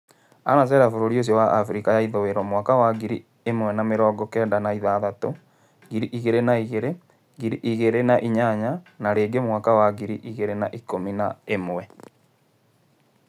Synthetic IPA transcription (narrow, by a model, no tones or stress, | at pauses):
anas̬ɛɾafoɾoɾios̬jɔwaʔafɾikajaiðoweɾɔmwakawaɡiɾi | emwɛnameɾɔːɡɔkɛːndanaiðaðato | ɡiɾiʔiɣeɾenaiɣeɾe | ɡiɾiʔiɣeɾenaʔiɲaɲanaɾeːɡemwakawaɣiɾiʔiɣeɾenaʔikominaemwɛ